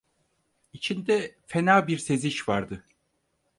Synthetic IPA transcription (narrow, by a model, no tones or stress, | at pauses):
it͡ʃʰind̪ɛfenaːbiɾse̞ziʃvaɾd̪ɯ